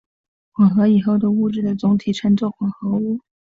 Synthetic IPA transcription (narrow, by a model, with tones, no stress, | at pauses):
xwɑ˨˩xɤ˧˥i˨˩xo˥˩ʊd̪ə˧u˥˧ʈ͡ʂɻ̩˥˩d̪ə˩t͡sʊ˧˥ŋt̪ʰi˨˩ʈ͡ʂʰɤ˧˥nt͡swɔ˥˩xwɑ˨˩xɤ˧˥u˥˩